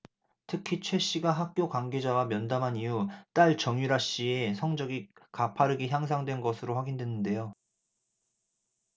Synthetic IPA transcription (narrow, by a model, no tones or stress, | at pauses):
tʰɯkʰit͡ɕʰwe̞ɕ͈iɡaɦak̚k͈jokwaŋɡe̞d͡ʑawamjʌndamɦanijut͈aɭt͡ɕʌŋuɾaɕ͈iesʰʌŋd͡ʑʌɡikapʰaɾɯɡiçjaŋs̬ʰaŋdwenɡʌsʰɯɾoɸwaɡindwenːɯnde̞jo